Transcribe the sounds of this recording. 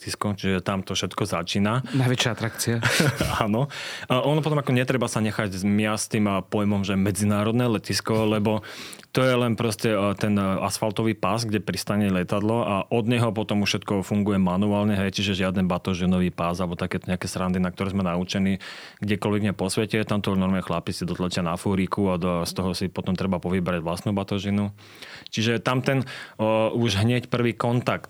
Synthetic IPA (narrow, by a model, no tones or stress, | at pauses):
iskɔt͡ʃiʒɛt̪amt̪ɔfʃɛt̪kɔzat͡ʃiːnanajʋɛt͡ʃɪjaat̪ɾakt͡siaaːnɔɔnɔpɔt̪ɔmakɔɲɛt̪ɾɛbasaɲɛxaɟmɪast̪impɔjmɔmʒɛmɛd͡zinaːɾɔd̪nɛːlɛciskɔlɛbɔ | t̪ɔjɛlɛnpɾɔscɛt̪ɛnasfalt̪ɔʋiːpasɡɟɛpɾist̪aɲɛlɛt̪ad̪lɔaʔɔd̪ɲɛɦɔpɔt̪ɔmuʃʃɛt̪kɔfuŋɡujɛmanuaːlɲɛɦɛjt͡ʃiʒɛʒɪad̪ɛnbat̪ɔʒinɔʋiːpazalɛbɔt̪akɛːt̪ɔɲɛakɛːsɾand̪inak̚t̪ɔɾɛːzmɛnaut͡ʃɛniː | ɡɟɛkɔlʋɛɡmɲɛpɔsʋɛcɛt̪amt̪ɔnɔɾmɛxlapisid̪ɔt̪lat͡ʃɪanafuɾikuast̪ɔɦɔsipɔt̪ɔmt̪ɾɛbapɔʋibɾaɟʋlast̪nuːbat̪ɔʒinu | t͡ʃiʒɛt̪amt̪ɛn | uʒɦɲɛcpr̩ʋiːkɔnt̪akt̪